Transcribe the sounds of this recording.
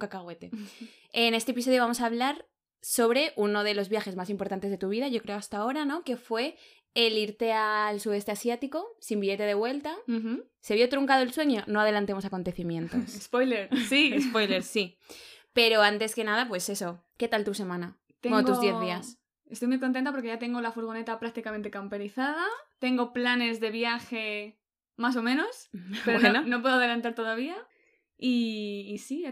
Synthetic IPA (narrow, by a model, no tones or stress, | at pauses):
kakaɣwe̞t̪e̞ | ene̞st̪epis̬oðjoβamo̞saːβ̞laɾ | so̞βɾe̞ʔuno̞ð̞e̞lo̞zβjaxe̞zmas̬impo̞ɾt̪ant̪ezðe̞t̪uβ̞iðaʝo̞kɾe̞o̞ast̪ao̞ɾano̞ke̞fwe̞ː | liɾt̪e̞alsuðe̞st̪e̞asjat̪iko̞simbiʝe̞t̪e̞ð̞e̞βwe̞lt̪a | se̞β̞jo̞t̪ɾuŋkað̞oe̞lswe̞ɲo̞no̞að̞e̞lant̪e̞mo̞sako̞nt̪e̞θimjẽ̞nt̪ospojleɾsiespo̞jleɾsi | pe̞ɾo̞ant̪e̞ske̞nað̞apwe̞se̞so̞ke̞t̪alt̪use̞mãna | kt̪eooɡt̪uozðje̞ððias | e̞st̪ojmujkont̪ent̪ap̬oɾkeat̪e̞ŋɡolafuɾɣo̞ne̞t̪apɾak̚t̪ikament̪ekampeɾiθað̞at̪e̞ŋɡo̞plane̞zðe̞βjaxe̞ | maso̞mẽno̞seɾoenonop̬we̞ðoaðe̞lant̪aɾt̪o̞ðaβ̞ia | iːsi